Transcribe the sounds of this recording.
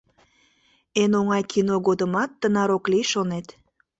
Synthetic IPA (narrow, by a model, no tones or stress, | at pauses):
enoŋɑjkʰinoɣod̪əmɑt̪ːənɑɾoklijʃonet̪